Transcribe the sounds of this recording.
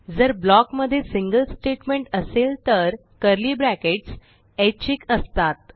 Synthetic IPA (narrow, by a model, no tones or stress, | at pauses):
d͡zəɾblɔkməd̪ʱːjesiŋɡəlsʈeʈmeɳʈəselt̪əɾ | kəɾliːbɾækeʈs | et͡ɕikəst̪at̪̚